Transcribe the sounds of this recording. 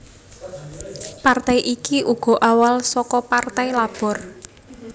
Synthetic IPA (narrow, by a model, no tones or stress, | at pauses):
part̪ajʔikiʔuɡ̥ɔ̤ʔawalsɔkɔpart̪ajlab̥ɔ̤r